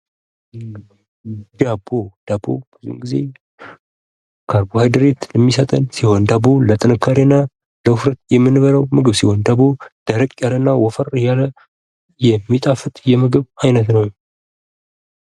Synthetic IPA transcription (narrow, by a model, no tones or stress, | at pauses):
d̪abod̪̥abo̰b̥ɨzṵŋɡize̞̰ | kʰaɾbohajd̪əɾet̪ləmːisət̪ʼənsiho̞nd̪abolət̪ʼɨnɨkʰːaɾenːa | ləʊfɾət̪̚jɛmːɨnɨβəɾəwmɨɡɨβsiho̞nd̪abod̪̥əɾəkʼjalənːawɔfəɾjalə | jɛmːit̪ʼafɨt̪ʼjɛmɨɡɨβajnət̪nəw